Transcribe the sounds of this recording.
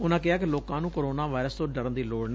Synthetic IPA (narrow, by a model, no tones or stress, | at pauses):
ʊnãːkɪaːk̬ɪloːkãːnũːkoːɾoːnaːʋaːɪɾəst̪õːɖəɾə̃nd̪iːloːɽn